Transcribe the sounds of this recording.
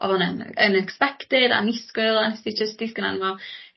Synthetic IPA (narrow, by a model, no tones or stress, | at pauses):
ʔɔ̰ðənənənɛkspɛktɪda̰nɪskɪlˠanɛsid͡ʒəsd̥ɪsɡ̥əna̰nvɔ